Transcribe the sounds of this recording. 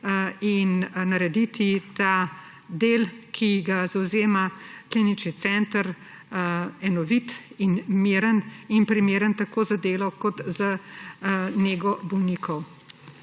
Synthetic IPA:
innaɾɛd̪it̪ʰit̪a | d̪eːlkʰiɡazawzeːmaklinit͡ʃnit̪sɛnt̪əɾ | ɛnɔʋit̪inmeːɾəninpɾimeːɾənt̪akoːzad̪eːlɔkɔt̪za | neːɡɔbɔwnikʰɔw

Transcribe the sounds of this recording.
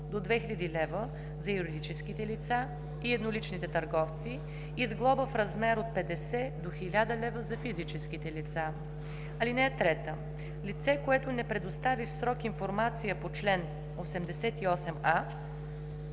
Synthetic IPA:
d̪od̪vɛxilʲad̪ilɛvə | zɐjuɾid̪it͡ʃɛskit̪ɛlit̪sa | iɛd̪nolit͡ʃnit̪ɛt̪əɾɡɔft̪si | izɡlˠɔbəfɾɐzmɛɾot̪̚pɛd̪ɛsɛd̪oxilʲad̪əlɛvəzɐfizit͡ʃɛsk̟it̪ɛlit̪sa | ɐlinɛɛt̪ɾɛt̪ə | lit̪sɛkoɛt̪onɛpɾɛd̪ost̪avifsɾɔkinfoɾmat̪sijəpot͡ʃlɛn | osɛmd̪ɛsɛt̪iɔsɛma

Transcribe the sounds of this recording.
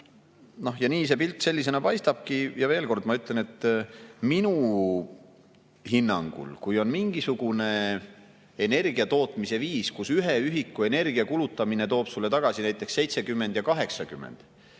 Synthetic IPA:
no̞hjɑniːs̬e̞pilt̪ˑːse̞lːise̞nɑpɑjst̪ɑb̥kijɑve̞ːlko̞rd̪mɑyt̪ˑle̞ne̞t̪ːminu | hinːɑŋɡ̥ṵlkujo̞nmiŋɡisuɡ̥une̞ | ene̞rɡ̥iɑt̪o̞ːt̪ˑmise̞viːskusyɦe̞yɦikːue̞ne̞rɡ̥iɑkulut̪ːˑɑmine̞t̪o̞ːb̥sulːet̪ɑɡ̥ɑsinæjt̪ːˑe̞ksːejt̪se̞kymːe̞nd̪̥jɑkɑɦe̞ksɑkymːḛnd̪̥

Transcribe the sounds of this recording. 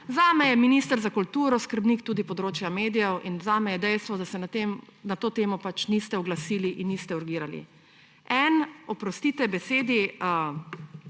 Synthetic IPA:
zaːmɛjɛminiːst̪əɾzakult̪uːɾɔskəɾbniːkt̪uːd̪ipɔd̪ɾoːt͡ʃjameːd̪ijɛwʔinzaːmɛjɛd̪ɛjst̪ʋɔd̪asɛnat̪emnat̪oːt̪eːmɔpat͡ʃnist̪ɛɔɡlasiːliʔinːist̪ɛuɾɡiːɾalḭ | ɛnɔpɾɔst̪iːt̪ɛbɛseːd̪i

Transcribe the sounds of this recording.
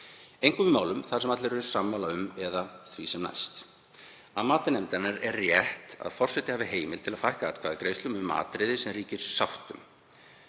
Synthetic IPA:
ejŋ̥kʏvɪmaːwlʏmθaɾ̥sɛmat̪lɪɾʏɾʏ̥samːawlaʏmɛðaθvisɛmna̰jst̪ | aðmaːt̪ʏnɛmt̪aɾnaɾɛrːjɛht̪a̰ðfɔr̥sɛht̪ːɪhaːvɪɦeːjmɪlt̪ʰɪlaðfajhkaaːt̪̚kʰvaːðɪkɾejst̪ʏmʏmːa̰ːt̪ɾɪðɪsɛmriːcɪɾ̥sawht̪ʏm

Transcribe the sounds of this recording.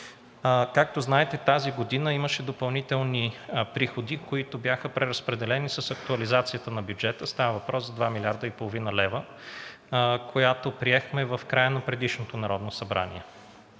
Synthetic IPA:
kak̚t̪oznaɛt̪ɛt̪aziɡod̪inəiməʃɛd̪opɐlˠnit̪ɛlˠnipɾixod̪ikoit̪objaxəpɾɛɾɐspɾɛd̪ɛlɛnisəsɐk̚t̪uɐlizat̪sijət̪ənɐbjud͡ʒɛt̪əst̪avəvɐpɾʔɔszɐd̪vamilʲaɾd̪əipolˠovinəlɛvə | kʰojat̪opɾiɛxmɛvɐfkɾajənɐpɾɛd̪iʃnot̪onɐɾɔd̪nosɐbɾʔa̰nḭɛ

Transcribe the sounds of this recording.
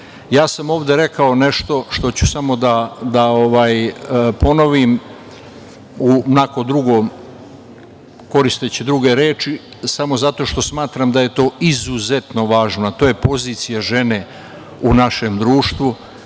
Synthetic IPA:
jaːsamo̞ːʋd̪e̞ɾe̞kao̞ne̞ʃt̪o̞ʃt̪o̞t͡ɕusamo̞d̪ad̪ao̞ʋaːjpo̞no̞ʋim | unako̞d̪ɾuɡo̞ːm | ko̞ɾist̪et͡ɕid̪ɾuɡe̞ɾeːt͡ʃi | samo̞zat̪o̞ːʃt̪o̞smaːt̪ɾamd̪aje̞t̪o̞ːizuze̞t̪no̞ʋaːʒnat̪oːjepo̞ziːt̪sijaʒe̞ne̞ | unaʃe̞md̪ɾuːʃt̪ʋu

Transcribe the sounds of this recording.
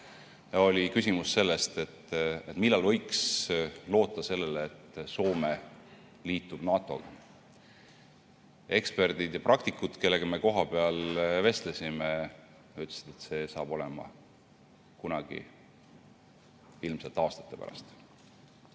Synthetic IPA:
jɑo̞lʲikys̬ʲimusːe̞lːe̞st̪e̞t̪ːet̪milːɑlvɤ̞jkslo̞ːt̪ːˑɑse̞lːeleːt̪ːso̞ːme | liːt̪ˑːub̥nɑːt̪ˑo̞̰ɡ̥ɑ | e̞kspe̞rd̪̥id̪jɑprʔɑk̚t̪ikːud̪̥ke̞lːe̞ɡ̥ɑme̞ko̞ɦɑpe̞ɑlve̞st̪lesʲime | jɑyt̪ːˑlsi̥d̪̥e̞t̪se̞sɑ̰ːb̥o̞le̞mɑ̰ | kunɑɡ̥ḭ | ilmse̞lt̪eɑːst̪ɑ̥t̪ːˑe̞pæ̰ɾɑ̰st̪

